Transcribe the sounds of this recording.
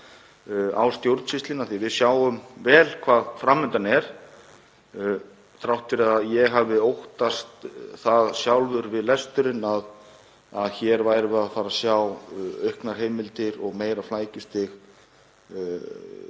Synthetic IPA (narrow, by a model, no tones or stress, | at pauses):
a̰wst̪jowɾt̪sɪst̪lɪnaθivɪðsjaːwʏmvɛːlkʰvaːðfɾamːʏnt̪anɛɾ̥ | t̪ʰɾawht̪fɪɾɪaðjɛɣɦavɪowht̪ast̪θaðsjawlvʏɾvɪðlɛst̪ʏɾɪnað | aðçɛɾvaːjɾɪaðfaːɾasjawœɥhknaɾ̥ɦeːjmɪlt̪ɪɾɔɣmeːjɾaflaːjcɪst̪ɪx